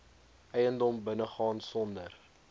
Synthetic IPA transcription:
ʔɛjəndɔmbənəχɑːnsɔndər

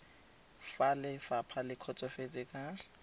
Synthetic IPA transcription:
falɪfapʰalɪkʰɔt͡sʼɔfet͡sʼɪkʼa

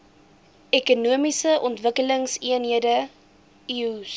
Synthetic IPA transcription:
ɛkunuəmisəʔɔntvəkələŋsiənɦiədə | is

